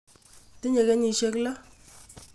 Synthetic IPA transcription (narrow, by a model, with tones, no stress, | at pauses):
ti˦ɲe˨kɛ˨˦ɲi˨ʃe˦kla˦